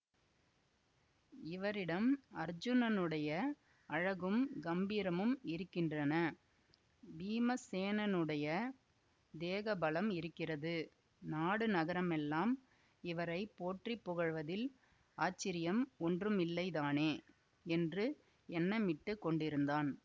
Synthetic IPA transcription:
ɪʋɐɾɪɽɐmɐɾd͡ʒɯnɐnɯɽɐjɐ | ɐɻɐɣɯmɡɐmbiːɾɐmɯmɪɾɯkːɪndrɐnɐ | biːmɐseːnɐnɯɽɐjɐ | d̪eːɣɐbɐlɐmɪɾɯkːɪrɐðɯ | naːɽɯnɐɣɐɾɐmɛlːaːm | ɪʋɐɾɐɪpːoːʈripːʊɣɐɻʋɐðɪl | aːt͡ʃːɪɾɪjɐmɔndrɯmɪlːɐɪðaːneː | ɛndrɯ | ɛnːɐmɪʈːɯkːɔɳɖɪɾɯnd̪aːn

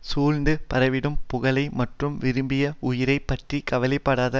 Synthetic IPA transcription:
suːlnd̪ɯpɐɾɐʋɪɽɯmpʊɣɐlɐɪmɐʈrɯmʋɪɾɯmbɪjɐʊjɪɾɐɪpːɐʈrikɐʋɐlɐɪpːɐɽaːðɐ

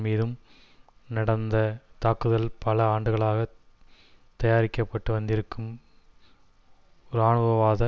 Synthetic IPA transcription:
miːðɯm | nɐɽɐnd̪ɐt̪aːkːɯðɐlpɐlɐaːɳɖɯɣɐɭaːɣɐ | t̪ɐjaːɾɪkːɐpːɐʈːɯʋɐnd̪ɪɾɯkːɯm | ɔɾɯaːɳɯɣɐʋaːðɐ

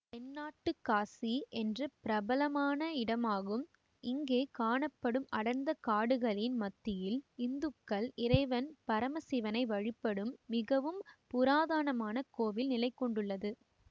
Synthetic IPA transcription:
ɛnːaːʈːɯkːaːsiʔɛndrɯpɪɾɐbɐlɐmaːnɐɪɽɐmaːɣɯm | ɪŋɡeːkaːɳɐpːɐɽɯmɐɽɐnd̪ɐkaːɽɯɣɐɭɪnmɐt̪ːɪjɪlɪnd̪ɯkːɐɭɪɾɐɪʋɐnpɐɾɐmɐsiʋɐnɐɪʋɐɻɪpːɐɽɯmːɪɣɐʋɯmpʊɾaːðaːɳɐmaːnɐkoːʋɪlnɪlɐɪkːɔɳɖɯɭːɐðɯ

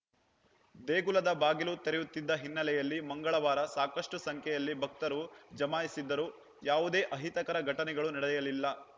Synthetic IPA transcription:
d̪eːɡulɐd̪ɐbaːɡilut̪eɾɛjut̪ːid̪ːɐɦinːɐlɛjɐlːimɐŋɡɐɭɐʋaːɾɐsaːkɐʂʈusɐŋkʰɛjɐlːibʱɐk̚t̪ɐɾud͡ʒɐmaːjisid̪ːɐɾuː | jaːʋud̪e̞ːʔɐɦit̪ɐkɐɾɐɡʱɐʈɐnɛɡɐɭunɐɽɐjɐlilːɐ

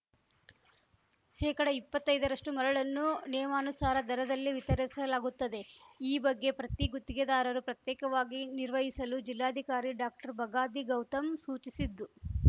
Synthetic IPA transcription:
ʃɛːkɐɽɐipːɐt̪ːɐjd̪ɐɾɐʂʈumɐɾɐɭɐnːunɛːjmaːnusaːɾɐd̪ɐɾɐd̪ɐlːiʋit̪ɐɾisɐlaːɡut̪ːɐd̪e̞iːbɐɡːe̞pɾɐt̪iɡut̪ːiɡed̪aːɾɐɾupɾɐt̪jɛːkɐʋaːɡiniɾʋɐɦisɐlud͡ʒilːaːd̪ʱikaːɾiɖaːk̚ʈɐɾbɐɡaːd̪iɡɐwt̪ɐmsuːt͡ʃisid̪ːu

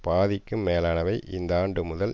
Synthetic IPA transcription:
paːðɪkːɯmːeːlaːnɐʋɐɪʔɪnd̪aːɳɖɯmʊðɐl

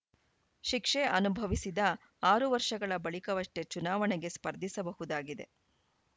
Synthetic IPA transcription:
ʃikʂeɐnubʱɐʋisid̪ɐ | aːɾuʋɐɾʂɐɡɐɭɐbɐɭikɐʋɐʂʈe̞t͡ʃunaːʋɐɳɛɡe̞spɐɾd̪ʱisɐbɐɦud̪aːɡid̪e̞̰

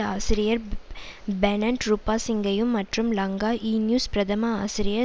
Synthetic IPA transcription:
aːsɪɾɪjɐɾ | bɛnɐɳʈɾupaːsɪŋɡɐjɯmːɐʈrɯmlɐŋɡaːʔiːnjuːspɾɐd̪ɐmaaːsɪɾɪjɐ

